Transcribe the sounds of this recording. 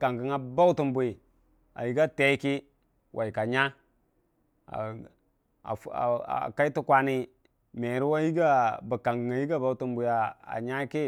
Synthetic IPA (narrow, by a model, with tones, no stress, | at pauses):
ka˨ŋɡə˨ŋa˨ba˦wtu˦mbu˨i˨ | a̰˨ji˦ɡa˦te˦i˦ki˦ | wʔa˨i˨ka˨ɲa˦ | a̰˨ | a̰˨a̰˨ka˦i˦tu˦kʷa˦ni˦ | me˨ɾi˦wa˦ji˦ɡa˦bə˨ka˨ŋɡə˨ŋa˨ji˦ɡa˦ba˨u˦tu˦mbu˨ja˨a̰˨ɲa˦ki˦